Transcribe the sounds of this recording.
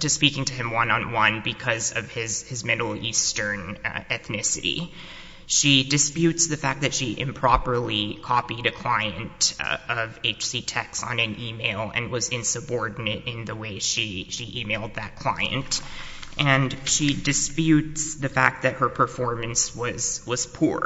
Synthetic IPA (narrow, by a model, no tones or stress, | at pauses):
tɨspikɪ̃ŋtʰɨɨ̃mwʌ̃nə̃nwʌ̃nbɨkʰʌzʌv̥ɪzɨzmɪɾl̩ˠistə̃˞nɛθnɪsɨ̰ɾḭ | ʃidɨspjʉtsðɨfæk̚ðɨtʃiʔɨ̰̃mpʰɹ̥ɑpə˞likʰɑpiɾɨkʰl̥aɪɨ̃ntʌveɪt͡ʃsitʰɛksn̩ɨ̃nʔimeɪlˠɨ̰̃nwʌzɪ̃nsɨbɔɹdⁿn̩ɨɾɪ̃nðəweɪʃiʃiʔimeɪlˠd̪̚ðɨt̚kʰl̥a̰ɪɨ̰̃nt | ʔɨ̃nʃidɨspjʉtsðɨfæk̚t̪̚ðɨt̚hə˞pʰə˞fɔɹmɨ̃nswʌz̥wʌz̥pʰuɹ